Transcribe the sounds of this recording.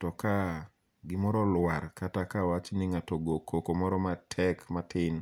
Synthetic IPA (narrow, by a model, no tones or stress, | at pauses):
tɔka | ɡɪmɔɾɔlwaɾkatakawat͡ʃnɪŋatɔɡokʰokomɔɾɔmatʰɛkmatʰɪn